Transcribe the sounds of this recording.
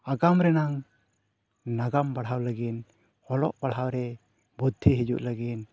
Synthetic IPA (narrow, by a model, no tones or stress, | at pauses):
aɡamɾɛnaŋ | naɡambaɽhawlaɡin | hɔlɔ̰ʔb̥aɽɦawɾɛ | bɔd̪ʰːiɦid͡ʒṵʔlaɡin